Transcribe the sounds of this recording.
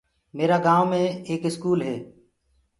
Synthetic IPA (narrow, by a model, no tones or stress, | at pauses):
meːɾaːɡãːʋmẽːeːkɪskuːlɦeː